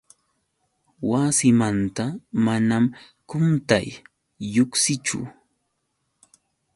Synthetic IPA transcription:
wasɪmant̪amanam | kʊnt̪ajː | ʊksɪt͡ʃʊ̰

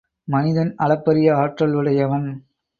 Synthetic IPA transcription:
mɐnɪðɐnɐɭɐpːɐɾɪjɐaːʈrɐlʋɯɭɐjɐʋɐm

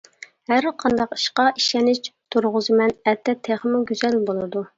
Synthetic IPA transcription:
hæɾqʰɑnd̪ɑqi̥ʃqɑʔiʃɛnɪt͡ʃt̪ʰuɾʁʊzɨmɛnɛt̪ʰːɛt̪ʰːeχəmuɡʲyzɛlbolˠɨd̪u

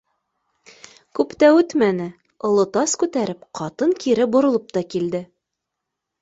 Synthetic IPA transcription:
kʉpt̪æʉt̪mænɘ | ŏlˠɤ̆t̪ɑskʉt̪æɾɘpqʰɑt̪ɤŋkiɾɘbŏɾŏlˠɤp̚t̪ɑkild̪ɘ

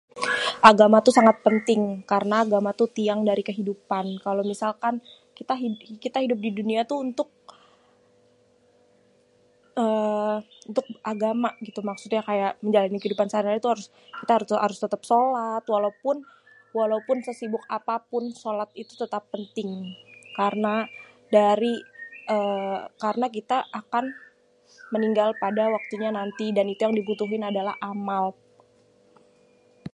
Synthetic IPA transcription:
ʔaɡamat̪usaŋat̪̚pənt̪ɪŋkaɾənaːɡamat̪ut̪iaŋdaɾikəɦidupankalowmisalkan | kit̪aɦikit̪aɦidʊp̬̚diduniat̪uːnt̪ʊk̚ | ʔə | unt̪ʊk̚ʔaɡamaɡit̪umaksʊt̪ɲakajaʔməɲd͡ʒalanikəɦidupansaɾiɾait̪uɦaɾʊs | kit̪ahaɾʊa̰ɾʊst̪ət̪əp̚solat̪walaupʊn | walaupʊnsəsibʊk̚apapʊnsolat̪̚it̪ut̪ət̪apːənt̪ɪŋkarəna | daɾiʔəkaɾənak̬it̪aʔːkan | məniŋɡalpadawak̚t̪uɲanant̪idanit̪ujaŋdibut̪uɦɪnadalahʔamal

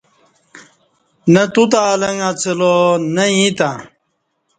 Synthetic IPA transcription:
nɐt̪ut̪aːlɐŋat͡sʰəlonɐĩt̪a

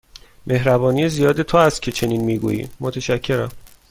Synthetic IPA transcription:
mʔe̞ɦɾæbɒːnijezijɒːd̪e̞t̪ʰoæst̪̚cʰe̞t͡ʃʰe̞niːnmiːɡṵːjḭmot̪ʰæʃæcʰːe̞ɾæm

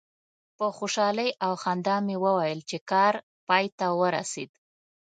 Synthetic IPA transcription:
pəxoʃɑləjʔawxand̪ɑmewəwajəlt͡ʃekɑɾ | pɑjt̪awəɾa̰sed̪

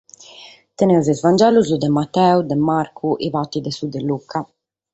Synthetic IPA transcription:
t̪ɛnɛuzɛzvand͡ʒɛluzud̪ɛmat̪ːɛud̪ɛmːaɾkʰuʔivat̪ːid̪ɛsud̪ɛlːukʰa

